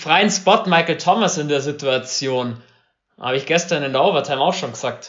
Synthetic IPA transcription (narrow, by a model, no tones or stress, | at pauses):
fʁ̥aɪənspɔtmaɪkl̩tʰɔməsɪndeːɐzituat͡sjoːn | ha̰ːbəɪçɡ̥ɛstɐnɪndaʊvɐtʰaɪmaʊxʃoːnɡəz̥aːk̚t